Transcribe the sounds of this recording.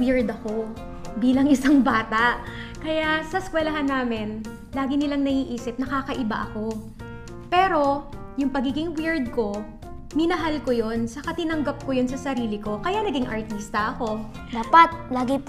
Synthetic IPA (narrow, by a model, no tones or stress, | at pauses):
wiɹd̪ɐko̞ | biːlɐŋʔɪsaŋbaːt̪aʔ | kɐjaʔsɐskwɛlɐɦanːaːmɪn | laːɡɪnɪlaŋnɐʔiːʔiːsɪp̚nɐkaːkɐʔɪba̰ʔɐko̞ | pɛːɾo̞jʊŋpɐɡiːɡɪŋwiɹd̪̚ko̞ | mɪnɐɦalkojo̞nsɐkɐt̪ɪnɐŋɡap̚kojonsɐsɐɾiːlɪko̞kɐjanɐɡɪŋʔɐɹt̪ist̪ɐʔɐko̞ | d̪aːpɐt̪̚laːɡɪ